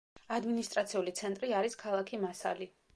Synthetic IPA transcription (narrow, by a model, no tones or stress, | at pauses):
ad̪minist̪ʼɾat̪sʰiulit̪sʰɛnt̪ʼɾiaɾiskʰalˠakʰimasa̰li